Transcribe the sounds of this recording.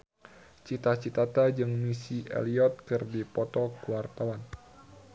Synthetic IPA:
t͡ʃit̪at͡ʃit̪at̪ad͡ʒɨŋmisiɛ̰liɔt̪̚kɨrdipɔt̪ɔkuwart̪awan

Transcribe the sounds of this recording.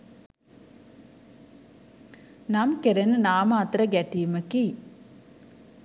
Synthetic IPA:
nɐmkeɾenɨnaːmaːt̪ɾɐɡɛʈijmɐki

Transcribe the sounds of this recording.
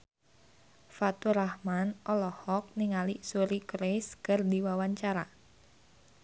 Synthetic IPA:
fat̪uɾahmanʔɔlɔhɔk̚niŋalisuɾikɾeskərdiwawaɲt͡ʃaɾa

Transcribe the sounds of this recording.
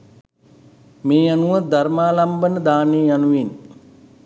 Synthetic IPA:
meːjanuʋəd̪aɾmaːlambənəd̪aːneːjanuʋin

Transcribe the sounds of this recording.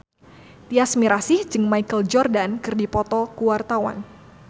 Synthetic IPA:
t̪iasmiɾasɪhd͡ʒɨŋmaikəld͡ʒɔrdankɨrdipɔt̪ɔkuwart̪awa̰n

